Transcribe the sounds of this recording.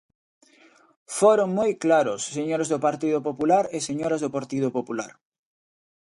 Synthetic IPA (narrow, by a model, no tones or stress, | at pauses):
foɾoŋmojklaɾʊsːeɲoɾzðopaɾt̪iðʊpopulaɾɪseɲoɾɐzðopaɾt̪iðʊpopulaɾ